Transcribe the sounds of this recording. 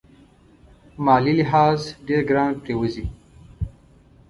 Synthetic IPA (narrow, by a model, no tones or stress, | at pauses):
maːliliɦaːzɖeːɾɡɾaːɳɖ̚pewəzi